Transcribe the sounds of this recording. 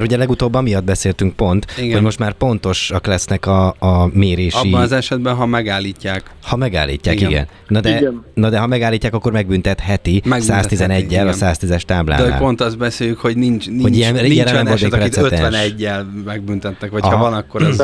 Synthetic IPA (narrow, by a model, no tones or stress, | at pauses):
mɛrhuɟɛlɛɡut̪oːbːɒmijɒd̪̚bɛseːlt̪yŋkpo̞nt̪iɡhoɟmo̞ʃt̪maːrpo̞nt̪o̞ʃɒklɛsnɛkɒːmeːɾeːʃiɒnɒzɛʃɛd̪bɛnɦɒmɛɡaːlːicːaːk | hɒmɛɡa̰ːlːḭːcːa̰ːkiɡɛ̰nːɒd̪ɛnɒd̪ɛɦɒmɛɡaːlːiːcːaːkɒkːo̞rmɛɡ̚bynt̪ɛt̪hɛt̪imɛssaːst̪izɛnɛɟːɛlɒssaːst̪izɛʃt̪aːbla̰ːd̪ɛoa̰pont̪ɒzbɛseːjykhoɟnint͡ʃnihoiɛnɛɛɛmolt̪ːkpɾɛisɛøtd̪ɛɛnɛɟːɛlmɛɡ̚bynt̪ɛt̪nɛkʋɒhɒvɒnɒkːoɾɛz